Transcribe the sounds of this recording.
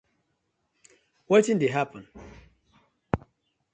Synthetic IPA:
wɔtĩndeɦapʰə̃n

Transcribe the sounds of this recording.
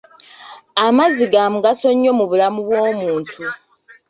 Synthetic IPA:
amaziɡamuɡaso̞ɲːo̞muβulamuβwo̞ːmuːntʰu

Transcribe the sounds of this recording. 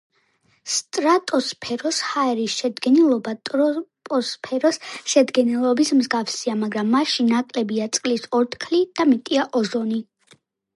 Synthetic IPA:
st̪ʼɾat̪ʼɔspʰɛɾɔshaɛɾisʃɛd̪ɡɛnilˠɔbat̪ʼɾɔpʼɔspʰɛɾɔsʃɛd̪ɡɛnɛlˠɔbismzɡafsiamaɡɾamːaʃinakʼlɛbiat̪sʼqʼlisɔɾt̪ʼkʰlid̪̥amit̪ʼiaʔɔʒɔni

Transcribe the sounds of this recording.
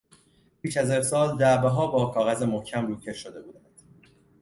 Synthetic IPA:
pʰiːʃæzefsɒːld̪æʔbeɦɒːbɒːkʰɒːɣæzemohcʰæmɾuːcʰe̞ʃod̪e̞buːd̪ænd̪̥

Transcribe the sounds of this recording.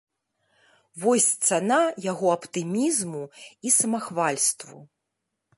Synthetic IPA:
vɔsʲt̪sanajaɣɔɐpt̪ɨmʲizmuisɐmaxvalʲst̪vṵ

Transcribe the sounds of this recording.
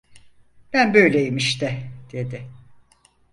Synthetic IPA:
b̥ænbøjlʲeimiʃt̪ɛd̪̥e̞d̪ɪ

